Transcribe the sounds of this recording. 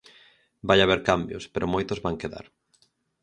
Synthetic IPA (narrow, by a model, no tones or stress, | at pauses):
bajaβeɾkambjo̰speɾʔomojt̪ʊzβaŋkeða̰ɾ